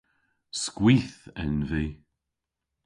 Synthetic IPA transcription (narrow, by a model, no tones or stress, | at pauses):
skwiːθɪ̰nviː